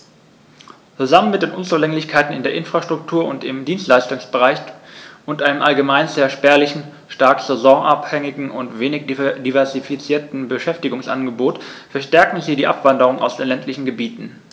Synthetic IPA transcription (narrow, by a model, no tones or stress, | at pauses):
t͡suzamənmɪt̚d̥eːnʔʊnt͡suːlɛŋlɪçkʰaɪtn̩ɪndeːɐʔɪnfʁ̥aʃtʁ̥ʊktʰuːɐʊntɪmdiːnstlaɪstʊŋsb̥əʁaɪçʔʊntʔaɪnəmʔalɡəmaɪnzeːɐʃpɛɐlɪçn̩ | ʃtaɐkz̥ɛzɔːʔaphɛŋɪɡŋ̩ʔʊntv̥eːnɪçdivɛɐzifit͡siːɐtn̩bəʃɛftɪɡʊŋsʔa̰nɡəboːtfɛɐʃtɛɐkŋ̩ziːdiːʔa̰pv̥andəʁ̞ʊŋa̰ʊsd̥eːnlɛntʰlɪçn̩ɡəbiːtn̩